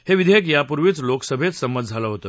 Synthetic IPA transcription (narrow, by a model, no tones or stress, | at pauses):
heʋid̪ʱek̬japuɾʋiːt͡sloksəbʱet͡ssəmːət̪d͡zʱalaɦot̪ə